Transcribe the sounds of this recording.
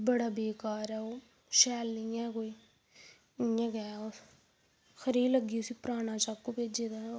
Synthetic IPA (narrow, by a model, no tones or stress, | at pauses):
bəɽaːbeːkaːɾɛːoː | ʃɛːlːiːɛ̃ːkoːiː | ɪãːɡɛːo | xʰəɾiːləɡiːʊsiːpɾaːnãːt͡ʃaːkːuːpeːd͡ʒeːd̪a